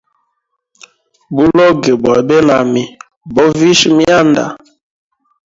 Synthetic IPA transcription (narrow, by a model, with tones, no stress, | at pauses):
bu˦lɔ˦ɡe˨ba˨bɛ˦na˨mi˨ | bɔ˦vi˦ʃmi˦a˦nda̰˨